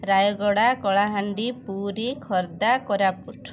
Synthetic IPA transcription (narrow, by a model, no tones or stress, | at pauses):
ɾajɔɡɔɽakɔɭaɦaɳɖipuɾikʰɔɾd̪akɔɾapuʈʰ